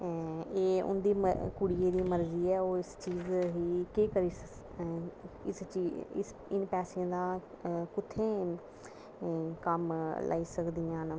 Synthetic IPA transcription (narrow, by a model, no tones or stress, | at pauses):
eːʊ̰nd̪iːməkʊɽieːd̪iːməɾziːɛːoːɪst͡ʃiːzɦiːkeːkəɾiːsə | ɪst͡ʃiːɪ̰s | ɪnpɛːsãːd̪ãː | kʊt̪ʰːẽː | kəmlʔa̰ːiːsəkd̪iːjãːn